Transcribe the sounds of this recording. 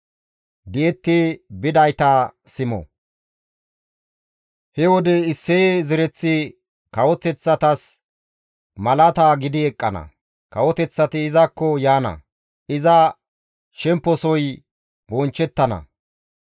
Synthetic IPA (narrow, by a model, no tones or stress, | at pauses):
d̪ɪɛt̪ːɪbɪd̪ɐjt̪ɐsɪmɔ̰ | hɛwɔd̪ɛɪsːezɪɾɛt͡sːɪ | kɐwɔt̪ɛt͡sːɐt̪ɐs | mɐlɐt̪aɡɪd̪ɪɛkʼːɐnɐ̰ | kɐwɔt̪ɛt͡sːɐt̪ɪːzɐkːɔjaːnɐ̰ | ɪzɐ | ʃɛmpːɔsɔj | bɔnt͡ʃːɛt̪ːɐnɐ̰